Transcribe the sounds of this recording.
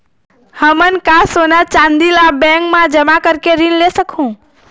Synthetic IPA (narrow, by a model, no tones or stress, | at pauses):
həmənkasonat͡ʃãnd̪ilabɛ̃ŋkmãd͡ʒəmakəɾkeɾinlesəkʰũ